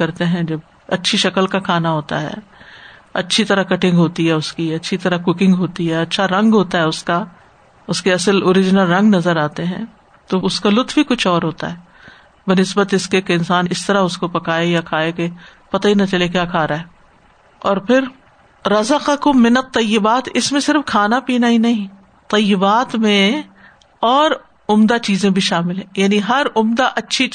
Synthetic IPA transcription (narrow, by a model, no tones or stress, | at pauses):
kɐɾt̪eɦɛ̃d͡ʒɐb | ɐ̰tːʃʰiʃɐkəlkakʰaːnaɦoːt̪a̰ɦɛ̰ː | ɐ̰tːʃʰit̪ɐɾakɐʈɪ̃ŋɡɦoːt̪iɦɛʊskiɐtːʃʰit̪ɐɾakʊkɪ̃ŋɡɦoːt̪iɦɛɐtːʃʰaɾɐ̃ŋɡɦoːt̪aɦɛʊska | ʊskeɐsəloːɾɪd͡ʒɪnəlɾɐ̃ŋɡnɐzəɾaːt̪eɦɛ̃ | t̪oʊskalʊt̪ʰbʱikʊt͡ʃʰɔːɾɦoːt̪a̰ɦɛː | bənɪsbət̪ɪskekeɪ̃nsaːnɪst̪ɐɾaʊskopɐkaːejakʰaːekepɐt̪aɦinat͡ʃɐlek̬jaːkʰaːɾaɦɛː | ɔːɾpʰɪɾ | ɾɐzəqɑkʊmːɪnɐt̪ˤːɐjːɪbaːt̪ɪsmẽsɪɾəfkʰaːnapiːnaɦinɐɦĩ | t̪ɐjːɪbaːt̪mẽ | ɔːɾ | ʊmd̪at͡ʃiːzẽbʱiʃaːmɪlɦɛ̃ːjaːniɦɐɾʊmd̪aʔɐtːʃʰi